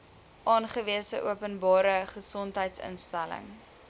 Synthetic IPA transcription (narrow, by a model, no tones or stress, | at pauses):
ʔɑːnχəviəsəʔuəpənbɑːɾəχəsɔntɦəjtsə̰nstælə̰ŋ